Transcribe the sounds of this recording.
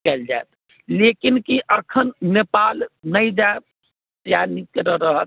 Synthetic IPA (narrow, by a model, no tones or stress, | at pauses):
kɛld͡ʒaet̪ | lekinkiʔəkʰənːepalnəjd͡ʒa | t̪janikeɾəɾəɦət̪